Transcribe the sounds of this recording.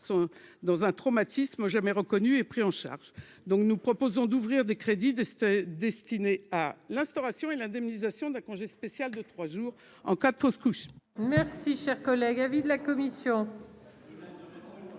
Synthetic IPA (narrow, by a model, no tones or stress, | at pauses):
sɔ̃d̪ɑ̃zɛ̃t̪χɔmat̪isməʒamɛʁəkɔnyepχiɑ̃ʃa̰ʁʒ | d̪ɔ̃knupχɔpozɔ̃d̪uvʁiʁd̪ekχed̪id̪ɛst̪inealɛ̃st̪ɔʁasjɔ̃elɛ̃d̪ɛmnizasjɔ̃d̪ɛ̃kɔ̃ʒespesjald̪ət̪χwaʒuːʁ | ɑ̰̃kad̪əfoskuʃmɛʁsiʃɛʁkɔlɛɡavid̪əlakɔmisjɔ̃